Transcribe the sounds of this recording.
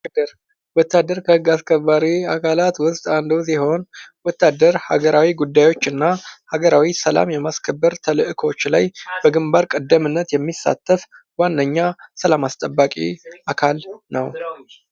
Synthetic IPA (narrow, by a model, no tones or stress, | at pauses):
d̪əɾ | wɔt̪ʰːad̪ːəɾkʰəhɨɡːaskʰəbːaɾiakʰalat̪wʊst̪ʼand̪os̬iho̞nwɔt̪ːad̪əɾhaɡəɾawiɡud̪ːajwo̞t͡ʃːɨnːahaɡəɾawisəla̰mjɛmaskʰəbːəɾt̪ʰəlɨʔɨkʰo̞t͡ʃːla̰jb̥əɡɨmbaɾkʼəd̪ːəmɨnːət̪jɛmːisːa̰t̪ʰːəf | wanːəɲːasəlamast̪ʼəbːakʼḭʔakʰalnəw